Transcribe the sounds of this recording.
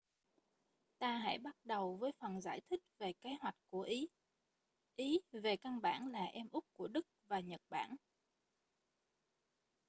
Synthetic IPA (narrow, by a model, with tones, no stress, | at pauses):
t̪aː˧ɦa̰˧˥˨jɓa˦˥t̚ɗə˨˩wvəː˨˦jfə˨˩nza̰ː˧˩jt̪ʰï˦˥k̟̚ve˨˩ke˨˦ɦwa˨˩jk̟̚ku˧˩əʔi˨˦ | ʔi˨˦ve˨˩ka˧nɓa̰ː˧˩nlaː˨˩ʔɛ˧mʔʊ˦˥k͡p̚ku˧˩əɗɨ˦˥k̚vaː˨˩ɲə˨˩t̚ɓa̰ː˧˩n